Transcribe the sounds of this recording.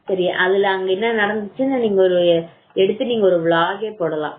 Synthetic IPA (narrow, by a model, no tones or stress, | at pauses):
sɐɾija̰ʔɐðɪlɐŋɡɐenːɐnɐɽɐnd̪it͡ɕːɯnːɐniːŋɡɐoɾu | eɽɯt̪ːɨniːŋɡɐoɾɯʋɭaːɣeːpːoːɽɐlã̰ːm